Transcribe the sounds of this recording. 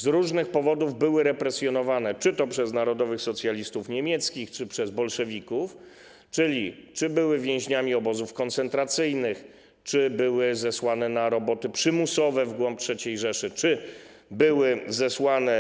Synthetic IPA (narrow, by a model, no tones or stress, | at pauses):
zɾuʐnɘxpɔvɔd̪uvbɘwɘɾɛpɾɛsʲjɔnɔvanɛt͡ʂɘt̪ɔpʂɛznaɾɔd̪ɔvɘxsɔt̪sʲjalʲist̪ufɲemʲjɛt̪skʲixt͡ʂɘpʂɛzbɔlʂɛvʲikuf | t͡ʂɘlʲit͡ʂɘbɘwɘvʲjɛ̃w̃ʑɲamʲiɔbɔzufkɔnt̪sɛnt̪ɾat̪sɘjnɘx | t͡ʂɘbɘwɘzɛswanɛnaɾɔbɔt̪ɘpʂɘmusɔvɛvɡwɔmp̚tʂɛt͡ɕejʐɛʂɘt͡ʂɘ | bɘwɘzɛswanɛ